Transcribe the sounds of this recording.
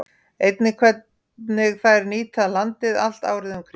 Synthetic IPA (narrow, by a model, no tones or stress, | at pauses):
ejt̪nɪkʰvɛt̪̚ | nɪɣθajɾniːt̪alant̪ɪðal̥t̪a̰ːwɾɪðʏmkʰɾ